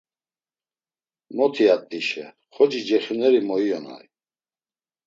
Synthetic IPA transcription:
mɔt̪ʰiat̪ʼːiʃɛ̰ | χɔd͡ʒid͡ʒɛχinɛɾimɔijɔna̰j

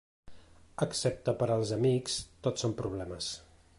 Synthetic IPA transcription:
əksɛp̚t̪əpəɾəlˠzəmikst̪otsompɾuβ̞lɛməs

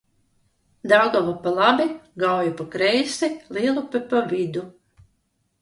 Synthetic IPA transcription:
d̪awɡɔvapalˠabiɡawjupakɾɛjsiliɛlˠupɨpavʲid̪u

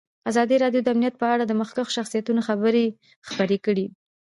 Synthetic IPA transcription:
azɑd̪iɾɑɖjod̪əamnijat̪̚pəaɽad̪əməxkaxʃaxsijat̪unoxabəɾe | xpaɾekəɽi

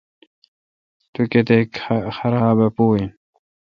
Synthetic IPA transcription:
t̪uket̪ekxɐɾaːbɐpuːi

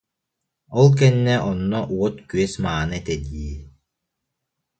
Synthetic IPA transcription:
ɔlˠk̬ɛnːɛʔɔnːɔʔuɔt̪kyɛsmaːnɯɛt̪ɛd̪iː

